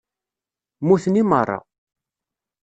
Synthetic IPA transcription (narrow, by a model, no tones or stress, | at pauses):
muθnimərˤːɑ̰